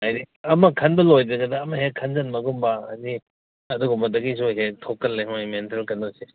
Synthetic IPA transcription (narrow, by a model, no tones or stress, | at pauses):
ajɾi | ɐmɐkʰɐnbɐlojdɐɡɐdɐːmɐɦekkʰɐnzɐnmɐɡumbɐadi | ɐduɡɔmɐdɐɡisojɦetʰɔkːɐlːeɦomentelkɐndɔse